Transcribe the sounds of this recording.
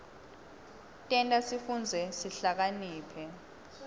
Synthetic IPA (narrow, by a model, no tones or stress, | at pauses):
tʼɛntʼasifund͡zʱɛsiɬak̬aniːpʰɛ